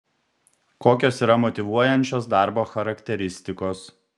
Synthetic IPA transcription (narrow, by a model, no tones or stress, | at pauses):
koːkʲoːsiːɾɐmɔt̪ʲɪʋuɔjɛnʲt͡ʃʲoːsd̪ɑˑɾboːxɐɾɐkʲt̪ʲɛɾʲɪsʲt̪ʲɪkoːs